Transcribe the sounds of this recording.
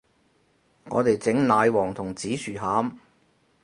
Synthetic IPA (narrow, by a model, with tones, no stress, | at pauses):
ŋɔ̰ː˨˧t̪e˨jt͡sɪ˨˥ŋnaː˨˧jwɔː˨˩ŋt̪ʰʊ˨˩ŋt͡siː˨˥syː˨˩haː˨˥m